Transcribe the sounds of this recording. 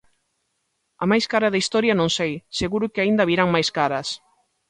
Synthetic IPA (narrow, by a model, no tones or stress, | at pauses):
ɐmajskaɾɐðɐist̪ɔɾjɐnõŋsejseɣuɾʊkɪaind̪ɐβiɾaŋmajskaɾɐs